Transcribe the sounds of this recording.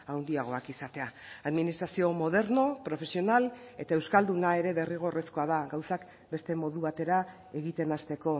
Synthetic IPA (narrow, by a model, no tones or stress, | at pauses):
awnd̪iaɣ̞o̞akisat̪e̞aː | ðminist̪ɾasio̞mo̞ð̞e̞ɾno̞pɾo̞fe̞sio̞nale̞t̪aewskald̪unae̞ɾe̞ðe̞riɣ̞o̞re̞sko̞að̞aɡawsak | be̞st̪e̞mo̞ðuβat̪e̞ɾa | e̞ɣit̪e̞nast̪e̞ko̞